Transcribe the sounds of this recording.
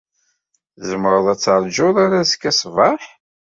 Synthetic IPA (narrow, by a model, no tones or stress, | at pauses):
zəmɾˤəðˤæt͡sːəɾˤd͡ʒʊðˤaɾazə̥kːæsˤvɑħ